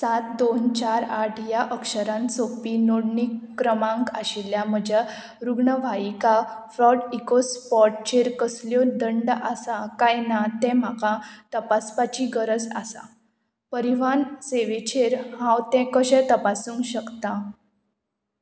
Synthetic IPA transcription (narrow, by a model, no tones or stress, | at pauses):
sat̪̚d̪ont͡ɕaɾaʈʰjaʔəkʂɕəɾãnsopinoɽɳikːɾəmãŋkaɕiljam̤əd͡ʑa | ɾuɡɳəʋ̤aikafɾɔʈikospɔʈ̚t͡ɕeɾkəsljɔd̪əɳɖʔasakajnat̪ɛ̃m̤akãt̪əpaspat͡ɕiɡəɾəd͡za̰sa̰ | pəɾiʋanseʋet͡ɕʰeɾɦãwt̪ɛ̃kəɕɛ̃t̪əpasũŋkɕəkt̪ã